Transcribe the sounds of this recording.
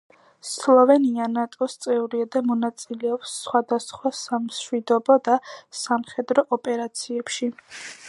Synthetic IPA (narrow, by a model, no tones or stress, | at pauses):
slˠɔvɛnianat̪ʼɔst̪sʼɛuɾiad̪amɔnat̪sʼilɛɔpsːχwad̪asχwasamʃwid̪ɔbɔd̪asamχɛd̪ɾɔʔɔpʼɛɾat̪sʰiɛpʃi